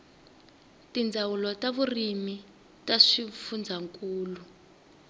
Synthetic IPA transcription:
tind͡zʱawulɔtaβurimi | taʂifund͡zʱaŋkʼuːlu

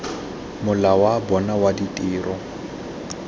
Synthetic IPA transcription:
mʊlawabɔnawaditʼiːrʔɔ

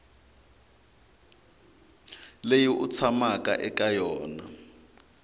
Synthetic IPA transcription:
lejiʔut͡sʰamakʼa̰ʔɛkajɔːna̰

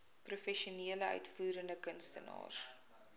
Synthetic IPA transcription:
prufɛʃiuniələœ̰ɥtfuːɾəndəkənstənɑ̰ːr

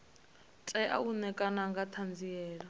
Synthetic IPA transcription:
tʼɛʔa̰unɛkʼanaŋɡatʰand͡ziɛːla

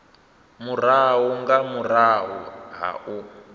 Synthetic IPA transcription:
muraɦuŋɡamuraɦṵɦa̰ʔu

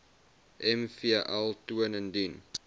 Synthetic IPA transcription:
ʔɛmfiəʔɛlˠtuənəndin

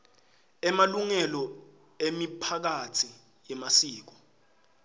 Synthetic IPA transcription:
ɛmaluŋɛlɔ | emipʰak̬atʰi | jɛmasiːk̬ɔ̥

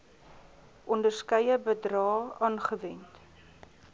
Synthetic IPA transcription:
ʔɔndərskəjəbədrɑːɑːnχəvɛnt

